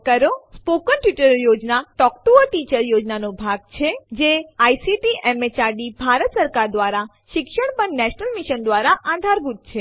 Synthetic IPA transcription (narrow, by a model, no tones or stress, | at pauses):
kəɾospokənʈjiʈəɾjod͡ʒnaʈɔkʈuəʈit͡ʃəɾjod͡ʒnanobʱaɡ̚t͡ʃʰed͡ʒeajsiʈiʔɛmet͡ʃaɖibʱaɾət̪səɾkaɾd̪ʋaɾa | ʃɪkʃəɳ̃pəɳnɛʃnəlmiʃənd̪ʋaɾaʔãd̪ʱaɾɡut̪̚t͡ʃʰe